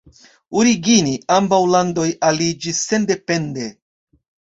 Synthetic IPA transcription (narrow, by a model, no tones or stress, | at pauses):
uɾiɡiniambawlando̞jalid͡ʒisːe̞nde̞pe̞nde̞